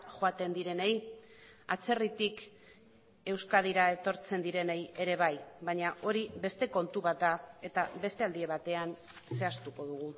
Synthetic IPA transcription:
ʝoat̪e̞nd̪iɾe̞nej | at͡se̞rit̪ik | e̞wskað̞iɾae̞t̪o̞ɾt͡se̞nd̪iɾe̞neje̞ɾe̞β̞ajβaɲaʔo̞ɾiβe̞st̪e̞ko̞nt̪uβat̪ae̞t̪aβe̞st̪e̞ald̪ie̞β̞at̪e̞an | se̞ast̪uko̞ðuɣ̞u

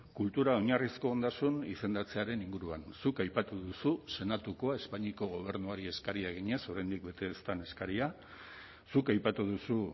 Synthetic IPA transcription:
kult̪uɾao̞ɲarisko̞ːnd̪asunise̞nd̪at͡se̞aɾe̞niŋɡuɾuansukajpat̪uðususe̞nat̪uko̞ae̞spaɲiko̞ɣ̞o̞β̞e̞ɾnuaɾie̞skaɾiaɣ̞iɲe̞so̞ɾajnd̪ik̚be̞t̪e̞ːst̪ane̞skaɾia | sukajpat̪uðusu

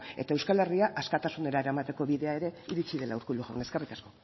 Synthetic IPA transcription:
e̞̰t̪aewskale̞riaʔaskat̪asune̞ɾae̞ɾamat̪e̞ko̞βiðe̞ae̞ɾe̞iɾit͡ʃiðe̞lauɾkuluɣa̰wneskarejt̪asko̞

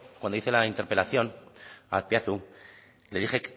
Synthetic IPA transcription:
kwand̪oiθe̞laint̪eɾpe̞laθjo̞na̰lpjaθu | le̞ðixe̞k

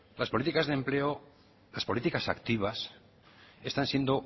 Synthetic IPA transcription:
laspolit̪ikazðe̞mple̞o | laspo̞lit̪ikasakt̪iβ̞as | e̞st̪ansje̞nd̪o̞

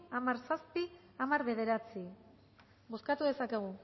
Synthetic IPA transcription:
amaɾsaspi | amaɾβe̞ðe̞ɾat͡si | ɡoskat̪uðe̞sake̞ɣ̞u

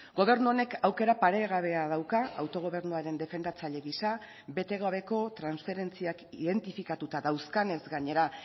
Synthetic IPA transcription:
ɡo̞β̞e̞ɾnuo̞ne̞kawke̞ɾapaɾe̞ɣaβe̞að̞awkaawt̪o̞ɣ̞o̞β̞e̞ɾnuaɾe̞nd̪e̞fe̞nd̪at͡saʎe̞ɣisa | be̞t̪e̞ɣaβ̞e̞ko̞t̪ɾansfe̞ɾe̞nt͡siakiðe̞nt̪ifikat̪ut̪aðawskane̞zɡaɲe̞ɾa

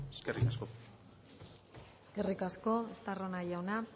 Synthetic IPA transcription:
eskerikasko̞ | eske̞rikasko̞est̪aronajaona

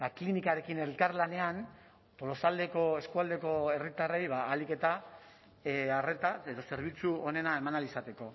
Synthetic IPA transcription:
baklinikaɾe̞kine̞lkarlane̞an | t̪o̞lo̞sald̪e̞ko̞e̞skuald̪e̞ko̞e̞rit̪are̞jβaːlike̞t̪a | are̞t̪ae̞ðo̞se̞ɾβ̞it͡suone̞nae̞manalisat̪e̞ko̞

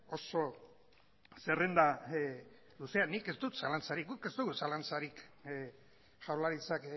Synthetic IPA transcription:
o̞so̞ | sere̞nd̪a | luse̞anike̞zt̪ut̪salant͡saɾik̚ɡuke̞zt̪uɣusalant͡saɾik | ʝawlaɾit͡sak

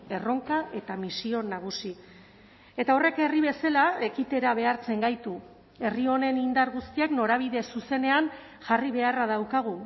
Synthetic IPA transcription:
e̞ro̞ŋkaʔe̞t̪amisio̞naɣ̞usi | e̞t̪ao̞re̞ke̞riβe̞salae̞kit̪e̞ɾaβ̞e̞aɾt͡se̞ŋɡajt̪u | e̞rio̞ne̞nind̪aɾɣust̪iekno̞ɾaβ̞iðe̞suse̞ne̞an | ʝariβe̞araðawkaɣ̞u

